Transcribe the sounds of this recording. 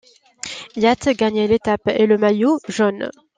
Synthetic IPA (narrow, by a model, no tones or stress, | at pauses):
jat̪ɡaɲɛlet̪apeləmajoʒɔn